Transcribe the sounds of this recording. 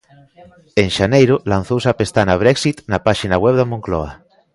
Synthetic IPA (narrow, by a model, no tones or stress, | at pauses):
eŋʃanejɾolan̟θowsapest̪anaβ̞ɾɛksit̪napaʃinaɣwɛβðamõŋklɔ̰a̰